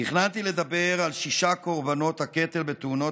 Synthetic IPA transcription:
niχnat̪ile̞d̪abeʁalʃiʃako̞ʁbano̞t̪haket̪e̞lbet̪uno̞

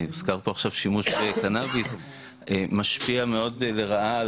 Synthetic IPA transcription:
uz̥kaʁpoaχʃavʃimuʃvekanavis | emaʃpiameo̞dle̞ʁaʔa

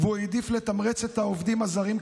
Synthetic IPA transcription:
vued̪iflet̪amʁet͡se̞t̪haovd̪imazaʁim

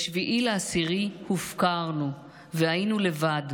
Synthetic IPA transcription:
ʃviʔileasiʁihufkaʁnu | veajinule̞vad

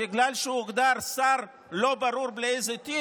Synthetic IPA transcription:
bɪɡlalʃeuɡd̪aɾsaɾ | lo̞baɾuɾbleejzet̪i

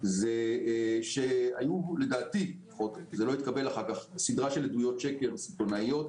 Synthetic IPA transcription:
zeʃea̰jule̞daːt̪i | χot̪ekzeloit̪kabe̞laχaʁkaχsid̪ʁaʃe̞led̪ujo̞tʃeke̞ʁsilt̪o̞naijo̞t̪

